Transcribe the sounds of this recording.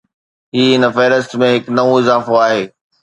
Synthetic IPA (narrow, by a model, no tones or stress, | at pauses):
ɦiːɦɪnə̆fɛːɾəstmẽɦɪknɐʋõɪzaːfoaːɦeː